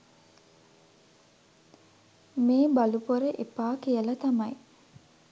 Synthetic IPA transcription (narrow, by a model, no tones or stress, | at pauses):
meːbalupoɾəʔepaːkijəlɐt̪ɐmɐj